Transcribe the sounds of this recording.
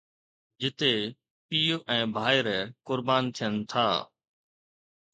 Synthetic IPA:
d͡ʒɪt̪eː | piːoʔɛ̃ːbʱaːɪɾkʊɾbaːnt̪ʰijənt̪ʰa̰ː

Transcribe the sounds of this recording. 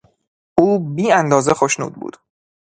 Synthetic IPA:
ʔuːbiːænd̪ɒːze̞xoʃnṵːd̪̚bṵːd̪

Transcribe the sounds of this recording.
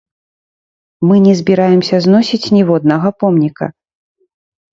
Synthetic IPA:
mɨnʲɛzʲbʲiɾajɛmsʲɐznɔsʲit͡sʲnʲɛvɔd̪̚nɐɣɐpɔmnʲikɐ̰

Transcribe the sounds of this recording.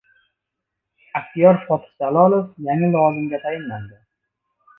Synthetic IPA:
akt̪ijɒɾfɒt̪ʰsalɒlofjaŋɪlʊwɒzɪmɡʲat̪ʰajɪnland̪ɪ

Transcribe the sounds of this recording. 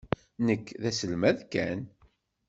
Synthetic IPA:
nəkːðæsəlmæðkæn

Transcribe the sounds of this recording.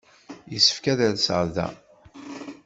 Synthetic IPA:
jisə̥fkæðæðsəʁðæ̰

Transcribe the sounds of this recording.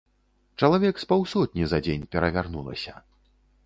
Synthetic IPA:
t͡ʂɐlˠavʲɛkspawsɔt̪̚ʲnʲizad͡zʲenʲpʲɛɾɐvʲarnṵlˠɐ̰sʲɐ

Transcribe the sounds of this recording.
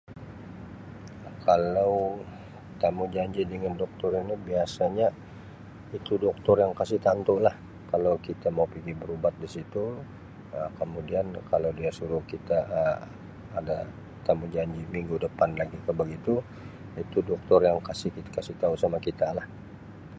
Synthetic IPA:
kalaw | t̪amud͡ʒaɲd͡ʒidəŋandɔk̚t̪ɔɾinibiasaɲa | it̪udɔk̚t̪ɔrjaŋkasɪht̪ant̪olah | kalawkit̪amaupiɡibəɾubat̪̚disit̪u | əkəmudiankalawdiasuɾʊhkit̪aʔəː | da | t̪amud͡ʒaɲd͡ʒimiŋɡudəpanlaɡikəbəɡit̪u | it̪udɔk̚t̪ɔrjaŋkasɪhkit̪kasiht̪ausamakit̪alah

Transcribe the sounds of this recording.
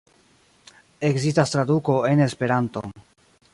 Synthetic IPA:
e̞kzistast̪ɾaduko̞e̞ne̞spe̞ɾanto̞̰

